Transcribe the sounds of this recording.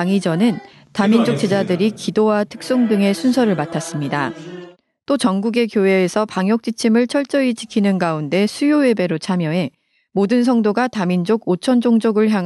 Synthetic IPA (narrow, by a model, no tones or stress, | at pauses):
ŋid͡ʑʌnɯn | tamind͡ʑok̚t͡ɕ͈e̞d͡ʑadɯɾikidowatʰɯ̥k̚s͈oŋdɯŋe̞sʰunsʰʌɾɯɭmatʰas͈ɯmɲida | t͈ot͡ɕʌŋɡuɡe̞kjoɦe̞ːsʰʌpaŋjʌk̚t͡ɕ͈it͡ɕʰimɯɭt͡ɕʰʌɭt͡ɕ͈ʌit͡ɕi̥kʰinɯnɡaunde̞sʰujowe̞be̞ɾot͡ɕʰamjʌe̞ | modɯns̬ʰʌŋdoɡatamind͡ʑoɡot͡ɕʰʌnd͡ʑoŋd͡ʑoɡɯɭçjaŋ